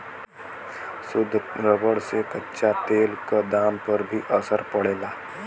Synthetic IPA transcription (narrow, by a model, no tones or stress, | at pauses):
sʊd̪ʱːɾəbəɽsekətːʃat̪eːlkad̪aːmpəɾbʱiʔəsəɾpəɽeːlaː